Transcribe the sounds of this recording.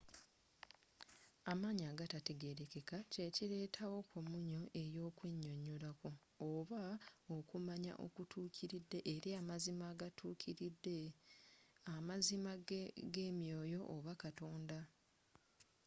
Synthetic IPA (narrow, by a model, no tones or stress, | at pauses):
amaːɲaːɡatate̞ɡe̞ɾeke̞kace̞ciɾe̞ːtʰawo̞kʰomuɲo̞ʔe̞jo̞ːkwe̞ɲːoɲːolakoː | βaokumaɲa̰ʔo̰kutʰuːcʰiɾidːe̞ʔeɾiamazimaːɡatʰuːkʰiɾidːe | amazimaɡe̞mjo̞ːjo̞ʔːβakato̞ːnda